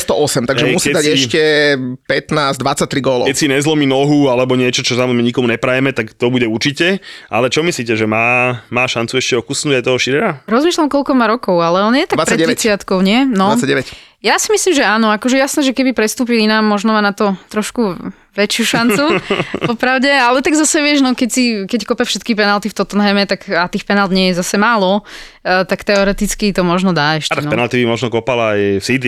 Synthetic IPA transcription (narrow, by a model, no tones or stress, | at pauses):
st̪ɔʔɔsɛmt̪aɡɡʒɛmusidd̪aɟɛʃcɛpɛt̪naːzd̪ʋat͡sːac̚t̪ɾiɡɔlɔ̰kɛcsiɲɛzlɔminɔɦualɛbɔɲɪɛt͡ʃɔt͡ʃɔsamɔzɛmɛɲikɔmuɲɛpɾajɛmɛt̪akt̪ɔbuɟɛuɾt͡ʃicɛʔa̰lɛt͡ʃɔmisliːcɛʒɛmaːmaːʃant͡suɛʃcɛɔkusnuɟajt̪ɔɦɔʃiɾɛɾaɾɔzmiːʃlamkɔlkɔmaɾɔkɔʊalɛɔnjɛt̪ḁɡ̪ʋat͡sɾaɛɛɛt͡sɪat̪kɔʊɲɪɛnɔat͡saɟɛʋɛc | jasimislimʒɛaːnɔakɔʒɛjasnɛʒɛkɛbipɾɛst̪uːp̬ilinaːmːɔʒnɔmanat̪ɔt̪ɾɔʃku | ʋɛt͡ʃɪuʃant͡supɔpɾaʊɟɛalɛt̪aɡzasɛʋɪɛʒnɔkɛcsikɛckɔpɛfʃɛt̪kipɛnalt̪ift̪ɔt̪ɔnɦɛmɛt̪akat̪iːxpɛnald̪ɲɪɛjɛzasɛmaːlɔ | t̪akt̪ɛɔɾɛt̪it͡skit̪ɔmɔʒnɔd̪aːɛʃcalɛnɛ̰nalt̪ibimɔʒnɔkɔpalajfsid̪i